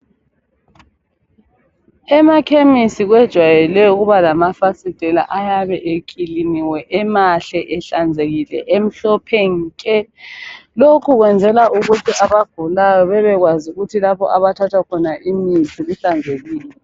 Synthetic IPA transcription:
ɛmakʰemisiɣwɛd̥ʒ̥ʱwajɛlɛuɣuβalamafasid̥ʱɛla̰ʔajaβɛʔekʼiliniwɛʔɛmaɬɛʔɛɬand͡zʱeɣilɛ̰ʔem̩ɬɔpʰɛŋkʼɛ | lokʰuɣwɛnd͡zʱɛlaʔuɣutʰiʔaβaɡ̥ʱulajɔβɛβɛɣwazuɣutʰilapɔ̰ʔaβatʰatʰwakʰɔnaʔimizʰiɣuɬand͡zʱeɣiːlɛ

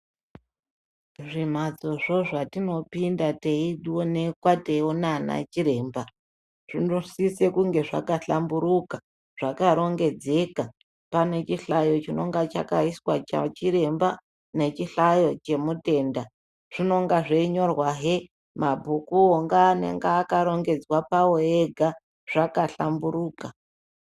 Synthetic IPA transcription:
ʐim̤ad͡zo̞ʐo̞ʐatino̞pindateiɗone̞kwateionana̰t͡ʃiɾe̞ːmba | ʐ̥inosise̞kuŋɡe̞ʐa̰kaɬambuɾuka | ʐ̥akaɾo̞ŋɡe̞d͡ze̞ka | pane̞t͡ʃiɬajo̞t͡ʃino̞ŋɡat͡ʃa̰kaiswat͡ʃa̰t͡ʃiɾe̞mba | ne̞t͡ʃiɬajo̞t͡ʃe̞mute̞ːnda | ʐ̥ino̞ŋɡaʐeiɲo̞rwaɦe | mabʱukuoŋɡaːne̞̰ŋɡaːkaɾo̞ŋɡe̞d͡zwapawoeɡʱa | ʐ̥akaɬambuɾuːka

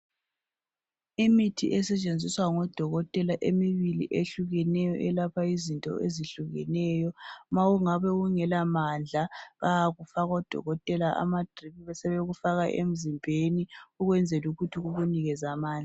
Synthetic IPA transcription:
imitʰḭʔɛsɛt͡ʃʼend͡zʱiswaŋɔd̥ʱɔɣɔtʼɛlaʔemiβilḭʔeɬuɣɛnɛjɔ̰ʔɛlapʰaizintʼɔ̰ʔeziɬuɣɛ̰nɛːjɔmaɣuŋaβɛɣuŋɛlamand͡ɮʱaβajaɣufaɣɔd̥ʱɔ̰ɣɔtʼɛlaʔa̰mad̥ʱriβiβɛsɛβɛɣufaɣaʔḛm̩zimbʱeniuɣwɛnd͡zʱeluɣutʰiɣuβuniɣɛzamaːnd͡ɮi

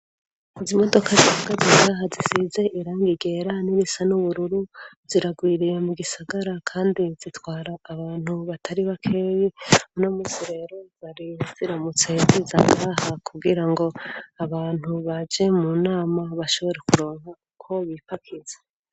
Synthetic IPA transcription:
izimo̞do̞kʰaziahaɡaziŋɡaɦazisize̞ʔiɾaːŋɡiɡe̞ɾaniɾisanuβuɾuɾu | ziɾaɡwiːɾije̞muɡisaɡaɾakʰaːndizitwaːɾaːβaːnhuβatʰaɾiβakʰe̞ːjinomisiɾe̞ːɾo̞βaɾiziɾamut͡se̞zizaŋɡahakubɡiɾaŋɡo̞aβaːn̥huβad͡ʒe̞munaːmaβaʃo̞βo̞ɾe̞kuɾo̞ːŋa | kʰo̞βipakʰizḁ

